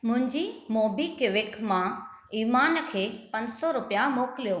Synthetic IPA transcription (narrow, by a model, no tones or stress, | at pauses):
mʊ̃ɦɪ̃ɲd͡ʑimoːbikɪʋɪkmã | iːmaːnkʰeːpɐ̃ɲd͡ʑsɔɾʊpijamoːkɪlijoː